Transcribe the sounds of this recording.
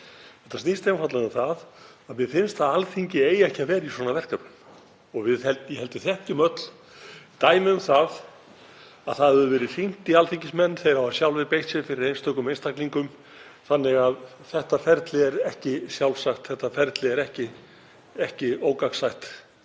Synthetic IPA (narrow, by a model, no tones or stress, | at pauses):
θɛht̪ːasnist̪ejmfat̪laʏθaðaðmjɛðfɪnst̪θaðalθiɲcɪeːjɛhcɪavɛːɾiswɔːnavɛr̥kapʏm | ɔɣvɪðhɛlt̪jɛhɛlt̪ɪθɛhc̪ɪmœt̪l̥ | t̪aːjmɪʏmθað | aðθaððʏvɛːɾɪ̥fin̥t̪ialθiɲcɪsmɛnːθejɾawasjawlvɪðpejh̪sɪfɪɾɪɾejnst̪œkʏmejnst̪akliŋkʏm | θanːɪɣað | θɛht̪afɛɾt̪lɪɛɾɛhcɪsjawlsaxt̪θɛht̪afɛɾt̪lɪɛɾɛhcɪ | ɛhcɪoːwkaksaxt̪